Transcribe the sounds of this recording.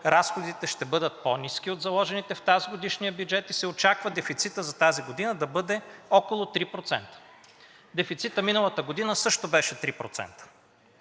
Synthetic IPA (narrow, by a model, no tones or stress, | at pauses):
ɾasxod̪it̪ɛʃt̪ɛbɤd̪ət̪̚ponisk̟ʲiod̪zɐlˠɔʒɛnit̪ɛft̪aziɡod̪iʃnijəbjud͡ʒɛt̪isɛot͡ʃakvəd̪ɛfit̪sit̪əzɐt̪aziɡod̪inəd̪ɐbɤd̪ɛɔkolˠot̪ɾipɾot̪sɛ̰nt̪ə̥ | d̪ɛfit̪sit̪əminəlˠət̪əɡod̪inəsɤʃt̪obɛʃɛt̪ɾipɾo̰t̪sɛ̰nt̪ə̥